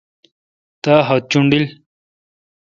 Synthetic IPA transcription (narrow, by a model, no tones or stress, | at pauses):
t̪aɦɐt̪̚t͡ɕuɳɖil